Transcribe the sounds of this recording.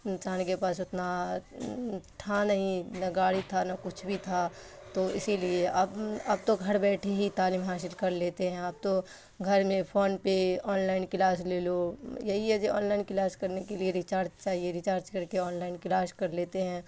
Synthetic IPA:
t͡ʃaːnkepaːsʊt̪na | ʈʰanɐɦĩnɐɡaːɽit̪ʰanɐkʊt͡ʃʰbʱit̪ʰa | t̪oːɪ̰silieɐbɐb̚t̪oɡʱɐɾbɛːʈʰeɦit̪aːliːmɦaːsɪlkɐɾleːt̪eɦɛ̃aːp̚t̪o | ɡʱɐɾmẽpʰoːnpeɔːnlaːɪnkɪlaːsleːlojɐɦiɛd͡ʒeɔ̰ːnlaːɪnkɪlaːskɐɾnekelieɾɪt͡ʃaːɾd͡ʒt͡ʃaːɦieɾɪt͡ʃaːɾt͡ʃkɐɾkeɔːnlaːɪnkɪlaːskɐɾleːt̪eɦɛ̃ː

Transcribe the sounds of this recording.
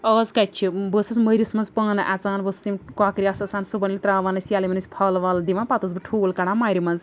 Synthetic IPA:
əːzkat͡ʃʰibəsɨsməɾismɐnzpɐːnɨʔat͡saːnbəst̪imkaːkɾiasɐsaːnsubɐnlit̪ɾaːʋanɐsjaːlimɐnisʲpʰɐːlʋaːld̪iʋãnpat̪ɐzbɨʈʰuːlkɐɽamaːjɾimɐnz

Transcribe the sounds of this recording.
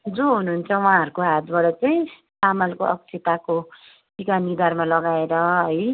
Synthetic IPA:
d͡zoɦunuɦːnt͡sʰʌwãɦʌɾukoɦat̪baɽʌt͡sʌj̃ | samalkoʔʌ̰ksʰet̪ako | ʈikanid̪armalʌɡaeɾʌɦʌj

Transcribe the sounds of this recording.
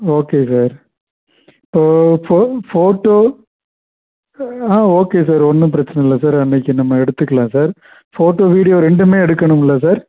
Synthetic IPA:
oːkːeːsaːɾ | ɪpːoːfoːfoːʈːoː | aːoːkeːs̬aːɾɔnːɯ̃p̬ɪɾɐt͡ʃːɐnɐɪlːɐsaːɾɐnːɐkʲːɯnɐmːɐɛɽɯt̪ːɯkːɐlãːsaːɾ | foːʈːoːʋiːɽɪjoːɾɛɳɖɯmeːɛɽɯkːɐɳɯmɪlːɐs̬aːɾ

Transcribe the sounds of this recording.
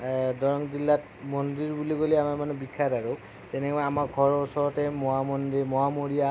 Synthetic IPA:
dɔɹɔŋzilːat | mɔndiɹbuliɡoliamamanubikʰːataɹu | tɛnɛkɔamaɹɡʱɔɹɔsɔɹɔtɛmɔamɔndimɔamoɹija

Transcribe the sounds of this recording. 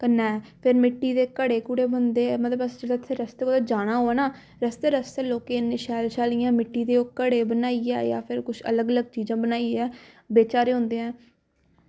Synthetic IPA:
kənɛːpʰɪɾmɪʈːiːd̪eːkəɽeːkuːɽeːbənd̪eːmət̪ləbəsd͡ʒəd̪at̪ʰːeːɾəst̪eːkoːd̪aːd͡ʒaːɽ̃aːɦoːaːnaː | ɾəst̪eːɾəst̪ɛːloːkeːneʃɛːlʃaːlijãːmɪʈːiːd̪eːokəɽeːbənaːiːɛ̰ːja̰ːpʰɪɾkʊʃʰə̰ləɡələɡ̚t͡ʃiːd͡ʒãːbənaːiːɛː | beːt͡ʃaːɾeːɦʊ̃nd̪eːɛ̃ː

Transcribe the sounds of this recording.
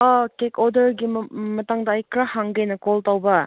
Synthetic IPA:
akekodɐɾɡimɐtaŋdaːjkɾahaŋɡenɐkoltawbɐ

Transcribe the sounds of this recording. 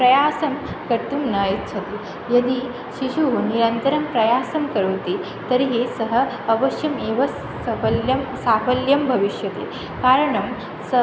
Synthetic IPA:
pɾɐjaːsɐm | kɐɾt̪umnajɐtːt͡ʃʰɐt̪e | jɐd̪i | ʃiɕuniɾɐnt̪ɐɾɐmpɾɐjaːsɐmkɐɾɐʋt̪e | t̪ɐɾiɦesɐɦɐː | ʋɐʃjɐmeːʋɐ | ɐɐljɐmsaːfɐljɐmbʱɐʋiʃjɐt̪ḛː | kaːɾɐɳɐm | sə

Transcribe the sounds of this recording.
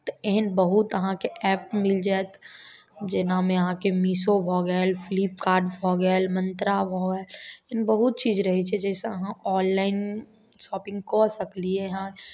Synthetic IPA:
t̪eɦnbɐɦʊt̪ɐɦãkeʔɛːp̚mɪld͡ʒaːt̪ | d͡ʒɪnamẽɐɦãkemiːsobʱɔːɡɛlfʰliːp̚kaːɾɖbʱɔːɡalmə̃nt̪ɾabʱoːɡɛeɦnbɐɦʊt̪̚t͡ʃiːzɾɐɦit͡ʃʰɛd͡ʒɛːseɐɦãɔːllaːɪn | ʃɔːpɪ̃ŋɡkosɐkliɛɦã

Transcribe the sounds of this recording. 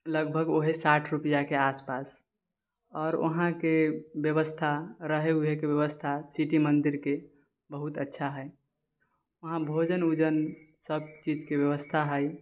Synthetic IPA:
ləɡ̚bʱəɡoɦesaʈʰɾupijakeaspas | ɔːɾə̰ɦãkebjəʋəst̪ʰaɾəɦeɦuɦekebjəʋəst̪ʰasiʈimənd̪iɾke | bəɦut̪ətːʃʰaɦɛ | əɦãbʱod͡ʒənud͡ʒənsəbt͡ʃid͡ʒkebjəʋəst̪ʰaɦɛj

